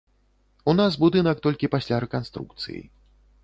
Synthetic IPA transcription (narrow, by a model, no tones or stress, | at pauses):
unasbud̪ɨnɐk̚t̪ɔlʲkʲipasʲlʲaɾɛkanst̪ɾṵk̚t̪sɨ̰jḭ